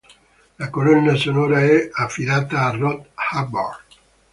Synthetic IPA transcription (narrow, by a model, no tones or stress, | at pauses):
lakolɔnːasonɔːɾaɛafːid̪aːt̪aːrːɔt̪habɔrd